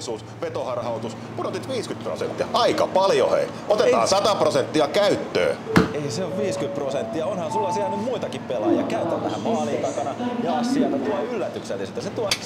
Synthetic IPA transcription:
suːs | ʋet̪ohɑrhɑut̪us | punot̪it̪ʋiːskyt̪̚pro̰sḛnt̪ːiɑ̰ʔɑikɑpɑljo̰hḛi | ot̪eɑːsɑt̪ɑprosent̪ːiɑkæyt̪ːø̰ːeiseoʋʋiːskyt̪prosent̪ːiɑonhɑnsulːɑsiænymmuit̪ɑkippelɑːjjɑkæyt̪ːænːæhæmmɑːliːk̪ɑkɑnɑjɑɑsːiɑt̪ɑt̪uɑylːæt̪ykselːiset̪ːæset̪uɑ

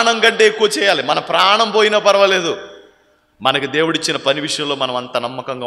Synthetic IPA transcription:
ɳɐŋkɐɳʈeːekːuʋɐt͡ʃɛːjaːlimɐnɐmpɾaːɐɳɐmpoːjinɐːpɐɾɐʋɐle̞ːd̪u | mɐnɐkid̪e̞ːwuɽit͡ʃːinɐpɐniʋiʂɐjɐmlo̞ːmɐnɐmɐnt̪ɐnɐmːɐkɐŋɡaː

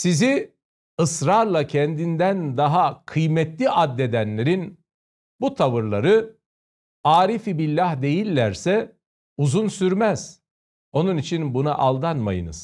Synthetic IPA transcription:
sizi | ɯsɾaɾlˠacʰɛnd̪ind̪ænd̪aɦakʰɯjmɛt̪lʲiʔad̪ːed̪ænlʲe̞ɾin | but̪ʰaβɯɾlˠaɾɯ | aːɾifibilʲːahd̪e̞jilʲːæɾsɛ | uzunsyɾmæz̥ | o̞nunit͡ʃʰinbunaʔalˠd̪anma̰jɯ̰nɯ̰z̥

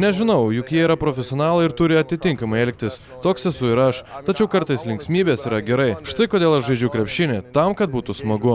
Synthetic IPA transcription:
nʲɛʒʲɪnɐʊjʊkjiɛiɾɐpɾoːfʲɛsʲɪoːnɑːlˠɐɪɾt̪ʊɾʲɪɐt̪ʲɪt̪ʲɪŋkɐmɐɪɛlʲk̚ʲt̪ʲɪs | t̪oːksɛsʊɪɾɐʃt̪ɐt͡ʃʲɛʊkɐɾt̪ɐɪslʲɪŋksʲmʲiːbʲeːsiːɾɐɡʲɛɾɐɪʃt̪ɐɪkoːd̪ʲeːlˠɐʃʒɐɪd͡ʒʲʊkɾʲɛpʲʃʲɪnʲet̪ɐmkɐt̪̚buːt̪ʊsmɐɡʊ

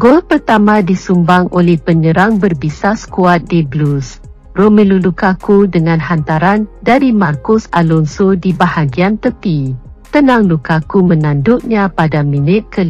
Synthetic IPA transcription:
ɡolpərt̪amãdisumbaŋolɛhpəɲəɾaŋbərbisasə̥kuat̪̚diblus | romilulukakudəŋãnɦant̪aɾandaɾimarkʊsalɔnsodibahaɡiant̪əpi | t̪ənãŋlukakumənãndʊʔ̚ɲãpadamĩnɪt̪̚kəl

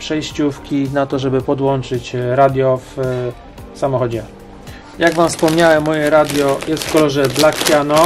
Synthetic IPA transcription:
pʂɛjɕt͡ɕufkʲinat̪ɔʐɛbɘpɔd̪wɔnt͡ʂɘt͡ɕɾad̪ʲjɔf | samɔxɔd͡ʑɛ | jaɡvamfspɔmɲawɛmːɔjɛɾad̪ʲjɔjɛst̪fkɔlɔʐɛb̪lakʰʲjanɔ

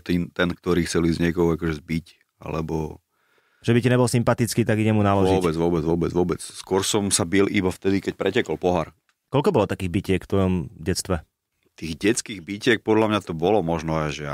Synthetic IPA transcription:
t̪iːnt̪ɛnkt̪ɔɾiːxt͡sɛlizɲɪɛkɔɦɔʊakɔʒɛzbic | a̰lɛ̰bɔ | ʒɛbicaɲɛbɔlsimpat̪it͡skiːt̪aɡiɟɛmunalɔʒiɔbɛd͡zʋʊɔbɛd͡zʋɔbɛd͡zʋɔbɛt͡sskɔɾsɔmsabilʔibaft̪ɛd̪ikɛc̚pɾɛcɛkɔlpɔɦaɾ | kɔlʎkɔbɔlɔt̪akiːɣbicɪɛkft̪ʋɔjɔmɟɛt͡st̪ʋɛ | t̪iːɣɟɛt͡skiːɣbicɪɛk̚pɔd̪lamɲat̪ɔbɔlɔmɔʒnɔaʒɛa̰

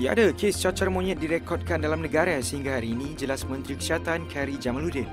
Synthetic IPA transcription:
jaadakest͡ʃat͡ʃarmõɲət̪̚diɾɛkɔt̚kandalamnə̃ɡaɾasəhiŋɡahaɾiːnĩd͡ʒəlasmə̃nt̪ɾikə̥siat̪ankʰɛɾid͡ʒamanludɪn

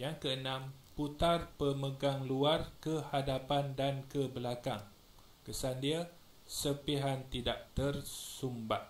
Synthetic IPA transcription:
jaŋkəənãmput̪arpəməɡaŋluarkəhadapandankəbəlakaŋ | kəsandia | səpiɦant̪idaʔt̪ərsumbaʔ

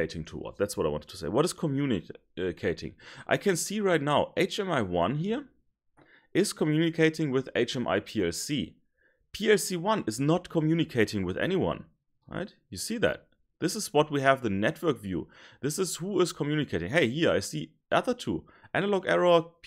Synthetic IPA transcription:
eɪɾɪ̃ŋtʰə̰wʌ̰t̪̚ðætswʌɾaɪwɑ̰̃nt̚tʰu̥sḛɪwʌɾɨz̥kʰəmjunɪ̰ | kʰeɪɾɪ̰̃ŋʔa̰ɪkʰɨ̃nsiɹaɪtⁿnaʊʔeɪt͡ʃɛ̃maɪwʌ̰̃nɦiɹ | ʔɪz̥kʰəmjʉnɨkʰeɪɾɪ̃ŋwɪðḛɪt͡ʃɛ̃mʔa̰ɪpʰiɛlsi | pʰiɛlsiwʌ̃nɨznətkʰəmjʉnɨkʰeɪɾɪ̃ŋwɨðɛ̰niwʌ̰̃n | ɹa̰ɪt | jɨsiðæ̰t̚ | ðɪsɨzwʌt̚wiɨvðɨnɛtwɜ˞kvjṵðɪsɨz̥huɪz̥kʰəmjʉnɨkʰeɪɾɪ̃ŋɦeɪhiɹaɪsi | ʔʌðə˞tʰṵ | ʔænəlɔɡɛɹɔ

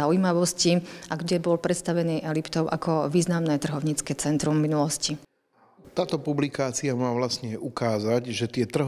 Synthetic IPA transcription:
aʊjimaʋɔsciʔaɡɟɛbɔlpɾɛt̪st̪aʋɛniːʔɛlipt̪ɔʊʔakɔʋiːznamnɛːt̪r̩ɦɔʊɲiːt͡skɛt͡sɛnt̪ɾumːinulɔsci | t̪aːt̪ɔpublikaːt͡siamaːʋlasɲɛʔukaːzaɟʒɛt̪ɪɛt̪r̩ɦ

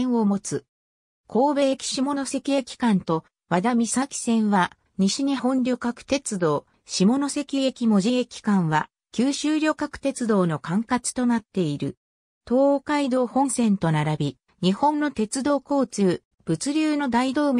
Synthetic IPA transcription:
omo̞t͡sɨ | kʰo̞ːbe̞ekʲi̥ɕimo̞no̞se̞kʲiekʲi̥kãnt̪o̞ | βad̪amʲisakʲi̥sẽ̞ɰ̃βa | ɲ̟iɕiɲ̟ihõ̞nɾʲo̞kakɯ̟̥t̪e̞t͡sɨd̪o̞ː | ɕimo̞no̞se̞kʲiekʲimo̞ʑiekʲi̥kãɰ̃βa | kʲɨːɕɨːɾʲo̞kakɯ̟̥t̪e̞t͡sɨd̪o̞ːno̞kãŋkat͡sɨ̥t̪o̞nat̪ːe̞iɾɯ̟̰ | t̪o̞ːokaid̪o̞ːhõ̞ɰ̃sẽ̞nt̪o̞naɾabʲi | ɲ̟ihõ̞nːo̞t̪e̞t͡sɨd̪o̞ːko̞ːt͡sɨː | b̥ɯ̟t͡sɨɾʲɨːno̞d̪aid̪o̞ːmʲ

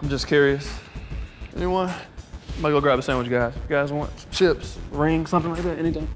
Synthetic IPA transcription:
ãɪ̃md͡ʒʌskʰj̥ʊɹiɨs | ɛ̰niwẽɪmaɪɡʌlˠɡɹæb̚ɨsẽɪ̃mwɨt͡ʃɡaɪz̥ɡ̥aɪzwɑ̃nʃʰɪpsɹɪ̃ŋsʌ̃mθɪ̃ŋlaɪk̚ðætɛñitẽɪ̃

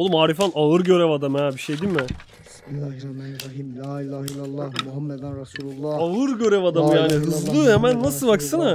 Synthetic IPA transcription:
olˠumaːɾifanaɯɾɟø̞ɾevad̪amɯhɛbiʃejd̪inmɪ | aɯɾɟø̞ɾevad̪amɯjaːniɦɯzlˠɯhemænːasɯlˠbaksɯna

